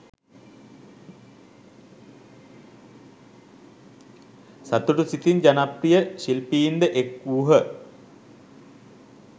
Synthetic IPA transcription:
sat̪uʈusit̪ind͡ʑanaprijəɕilpijind̪əʔekːuːɦə

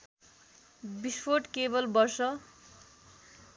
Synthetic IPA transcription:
bispʰoʈkebʌlbʌrsʌ

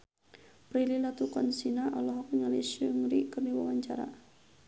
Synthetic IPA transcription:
pɾililat̪ukɔnsinaʔalɔɦɔkŋaliʃəŋɾikərniwa̰waɲt͡ʃaɾa̰

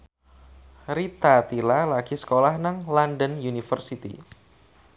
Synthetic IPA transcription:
ɾit̪at̪ilalaɡ̥isə̥kolahnaŋlandənjunifərsit̪ḭ

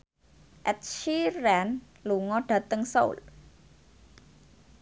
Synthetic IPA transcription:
ʔɛt̪̚ʃiɾɛn | luŋɔɖ̥ä̤t̪əŋso̰ṵl

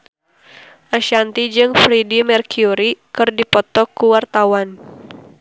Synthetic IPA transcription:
ʔaʃant̪id͡ʒɨŋfɾidimɛrkjuɾikɨrdipɔt̪ɔkːuwart̪awan

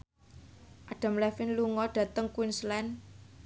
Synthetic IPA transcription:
ʔaɖ̥a̤mlɛfɪnluŋɔɖ̥ä̤t̪əŋkunslɛn

